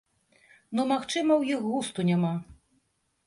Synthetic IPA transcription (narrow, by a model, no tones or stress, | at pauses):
nɔmaxt͡ʂɨmɐwjixɣust̪unʲama